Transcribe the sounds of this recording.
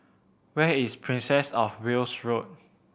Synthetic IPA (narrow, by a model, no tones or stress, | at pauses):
wɛispʰɹĩnsɛsɔfwilsɹot̚